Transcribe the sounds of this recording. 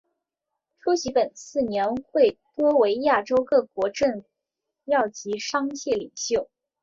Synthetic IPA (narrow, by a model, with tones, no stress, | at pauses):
ʈ͡ʂʰu˥ɕi˧˥pə˨˩nsɹ̩˥˩njɛ˧˥nxwe˥˩ɪt̪wɔ˥we˧˥ɪja˥˩ʈ͡ʂo˥ʊkɤ˥˩kwɔ˧˥ʈ͡ʂə˥˩n | jɑ˥˩ʊt͡ɕi˧˥ʂɑ˥ŋɕjɛ˥˩li˨˩ŋɕjo˥˩ʊ